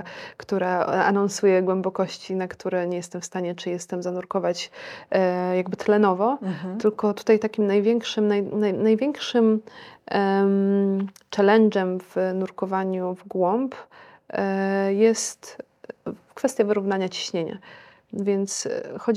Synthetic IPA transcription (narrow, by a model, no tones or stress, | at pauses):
kt̪uɾaa̰nɔ̃nsujɛɡwɛmbɔkɔɕt͡ɕinakt̪uɾɛɲɛjɛst̪ɛmfst̪aɲɛt͡ʂɘjɛst̪ɛmzanuɾkɔvat͡ɕ | jaɡbɘt̪lɛnɔvɔt̪ɘlkɔt̪u̥t̪ajt̪akʲimnajvʲjɛŋkʂɘmnajnajnajvʲɛŋkʂɘm | m | t͡ʂɛlɛnd͡ʐɛmv̥nuɾkɔvaɲuvɡwɔmp | jɛst̪ | kfɛst̪ʲjavɘɾuvnaɲat͡ɕi̥ɕɲeɲa̰ | vʲjɛnt̪sxɔd͡ʑ